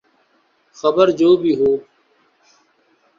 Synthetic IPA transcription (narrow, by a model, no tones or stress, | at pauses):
xəbəɾd͡ʒoːbʱiːɦoː